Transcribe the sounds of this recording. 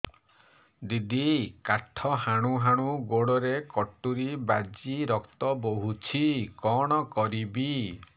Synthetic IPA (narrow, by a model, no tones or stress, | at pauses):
d̪id̪ikaɾʈʰɔɦaɽ̃uɦaɽ̃uɡoɽɔɾekɔʈuɾibaɾd͡ʒiɾɔkt̪ɔboɦut͡ʃʰikɔɽ̃ɔkɔɾibi